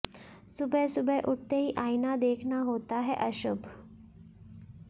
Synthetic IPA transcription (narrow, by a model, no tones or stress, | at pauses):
subʱəsubʱəʔuʈt̪eɦiːʔajnad̪ekʰnaɦot̪aɦɛʔəɕubʱ